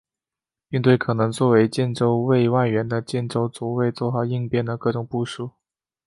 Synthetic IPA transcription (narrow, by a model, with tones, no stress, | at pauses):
pi˥˧ŋt̪we˥˩ɪkʰɤ˨˩nɤ˧˥ŋt͡swɔ˥˩we˧˥ɪt͡ɕjɛ˥˧nʈ͡ʂo˥ʊwe˥˧ɪwa˥˩ɪɥɛ˧˥nd̪ə˧˨t͡ɕjɛ˥˩nʈ͡ʂo˥ʊt͡su˨˩we˥˧ɪt͡swɔ˥˩xɑ˨˩ʊi˥˧ŋpjɛ˥˩nd̪ə˩kɤ˥˩ʈ͡ʂʊ˨˩ŋpu˥˧ʂu˥˩